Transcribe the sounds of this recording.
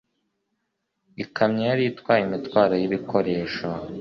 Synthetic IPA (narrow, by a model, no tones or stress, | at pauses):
ikʰamɲejaɾiitkwaːjimitwaːɾojiβikʰoɾe̞ːʃo